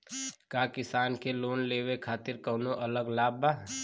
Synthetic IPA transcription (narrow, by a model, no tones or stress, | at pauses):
kjaːkɪsaːnkeloːnleːwekʰaːt̪ɪɾkɔːnoʔɐləɡlaːbaː